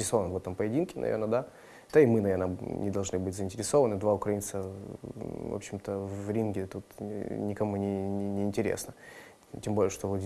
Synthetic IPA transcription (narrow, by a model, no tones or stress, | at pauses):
ɪɾʲɪso̞vənəvɛt̪əmpəjɪdʲinkʲɪnɐ̰vʲḛrnəd̪a | d̪̥aɪmɨnɐvʲernənʲɪd̪ɐlˠʐnɨbɨtʲzəɪnʲtʲɪɾʲɪso̞vənɨd̪vaʊkɾɐint̪sə | vo̰pɕːɪmt̪əvvɾʲinɡʲɪt̪ut̪nʲɪkɐmunʲɪnʲɪɪːnʲtʲɪɾʲḛsnə | tʲembolʲɪəʂt̪ovot̪